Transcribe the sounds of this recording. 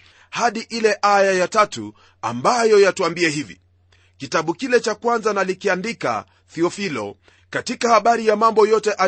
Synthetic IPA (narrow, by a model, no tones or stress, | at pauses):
haɗiʔilɛʔajajatatu | a̰mbajɔjatuambiɛɦivḭ | kitaɓukilɛt͡ʃakwanzanalikiandika̰ | θiɔfilɔ̰ | katikahaɓaɾijamambɔjɔtɛʔa